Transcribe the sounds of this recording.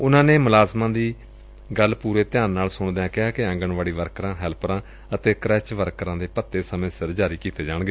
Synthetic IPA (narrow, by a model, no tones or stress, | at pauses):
ʊnãːneːmʊlaːzmãːd̪iː | ɡəlpuːɾeːt̪ɪjãːnːaːlsʊɳd̪ejãːkɪɦaːkɪɛ̃ŋɡəɳʋaːɽiːʋəɾkɾãːɦɛːlpɾãː | ət̪eːkəɾɛːt͡ʃʋəɾkɾãːd̪eːpət̪ːeːsəmẽːsɪɾd͡ʒaːɾiːkiːt̪eːd͡ʒaːɽ̃ɡeː